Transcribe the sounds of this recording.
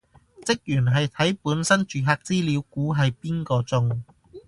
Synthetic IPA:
t͡sɪ˥k̚jyː˨˩nɦɐ˨jt̪ʰɐ˨˥jpuː˨˥nsɐ˥nt͡ʃyː˨ɦaː˧k̚t͡siː˥liː˨˧˥wkuː˨˥ɦɐ˨jpiː˥nkɔː˧t͡sʊ˧ŋ

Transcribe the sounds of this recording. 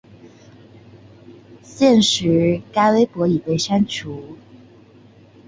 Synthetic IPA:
ɕjɛ˥˩nʂɻ̩˧˥ka˥ɪwe˥ɪpwɔ˧˥i˨˩te˥˩ɪʂa˥nt͡ɕʰu˨˦

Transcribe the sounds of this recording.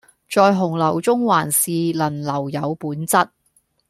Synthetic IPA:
t͡ʃɔː˧jɦʊ˨˩ŋlɐ˨˩wt͡sʊ˥ŋwaː˨˩nsiː˨lɐ˨˩nlɐ˨˩wjɐ˨˧wpuː˨˥nt͡sɐ˥t̚

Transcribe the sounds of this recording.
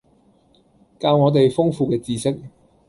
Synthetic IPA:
kaː˧wŋɔː˨˧t̪e˨jfʊ˥ŋfuː˨kɛː˧t͡siː˨˧sɪ˥k̚

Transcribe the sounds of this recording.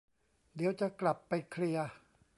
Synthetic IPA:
d̪i˩˦əwt͡ɕa˨˩kla˨˩pːa˧jkʰli˧ɐ

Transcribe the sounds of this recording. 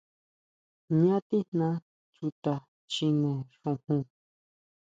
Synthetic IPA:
ɲã˦t̪i˦nnã˦ | t͡ʃu˧t̪a˧ | t͡ʃi˧nõ˧ʂõ˧hũ˧

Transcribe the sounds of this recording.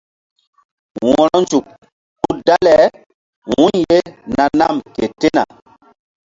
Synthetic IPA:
wɔ̃˨ɾɔ˦nd͡ʒu˨k̚ː | u˦da˦lɛ˨ | wũ˦ɲje˦na˨na˦˨mke˨te˦na̰˨

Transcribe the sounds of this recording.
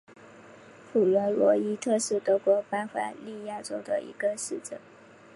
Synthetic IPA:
fu˨˩ɥə˧˥lwɔ˧˥i˥t̪ʰɤ˥˧ʂɻ̩˥˩t̪ɤ˧˥kwɔ˧˥pa˥ɪfa̰˨˩˦li˥˧ja˥˩ʈ͡ʂo˥ʊd̪ə̰˨ʔḭ˧˥ɡə˧ʂɻ̩˥˩ʈ͡ʂ̩˥˩˦

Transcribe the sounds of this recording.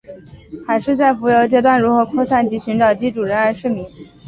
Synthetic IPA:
xa˧˨˩ɪʂɻ̩˥˧t͡sa˥˩ɪfu˧˥jo˧˥ʊt͡ɕjɛ˧˥t̪wa˥˩nɻu˧˥xɤ˧˥kʰwo˥˧sa˥˩nt͡ɕi˧˥ɕy˧˥nʈ͡ʂɑ˨˩ʊt͡ɕi˧˥ʈ͡ʂu˨˩ɻə˧˥nə˞˧˥ʂɻ̩˥˩mi˧˥ŋ

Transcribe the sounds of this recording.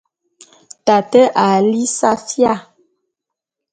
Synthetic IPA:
ta˨tɛ˦ʔa˨li˦sa˦fja˦˨

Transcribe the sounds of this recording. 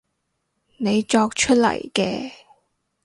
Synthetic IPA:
ne˨˧jt͡ʃɔː˧k̚t͡ʃʰɵ˥t̚lɐ̰˨˩jkɛ̰ː˧

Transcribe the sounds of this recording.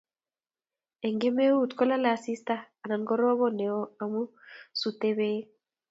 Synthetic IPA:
e˨ŋɡe˦me˦u˦˨t̪kɔ˦la˦la˨si˦staː˦˨na˨nɡɔ˦ɾɔ˦βɔ˦ne˨ɔ˦a˨mu˦ | su˨te˦βe˦

